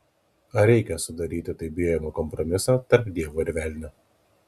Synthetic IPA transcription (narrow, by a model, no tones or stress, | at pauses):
ɐɾʲɛɪkʲɛsʊd̪ɐɾʲiːt̪ʲɪt̪ɐɪbʲijɛmokɔmpɾɔmʲɪsɐːt̪ɐɾpd̪ʲiɛʋoːɪɾʲʋʲæˑlʲnʲʊ